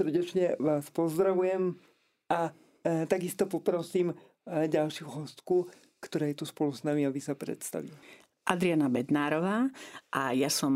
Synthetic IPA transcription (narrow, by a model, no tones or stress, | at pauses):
sr̩ɟɛt͡ʃɲɛʋaːspɔzd̪ɾaʋujɛm | a | t̪aɡist̪ɔpɔpɾɔsiːm | ɟalʃuɦɔst̪ku | kt̪ɔɾaːjɛt̪uspɔluznamiaʋisapɾɛ̰t̪st̪a̰ʋi | ʔad̪ɾianabɛd̪naːɾɔʋaːʔajasɔm